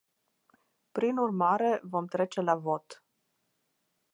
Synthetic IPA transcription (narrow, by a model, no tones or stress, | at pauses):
pɾinurmaɾe̞vo̞mt̪ɾe̞t͡ʃe̞lavo̞t̪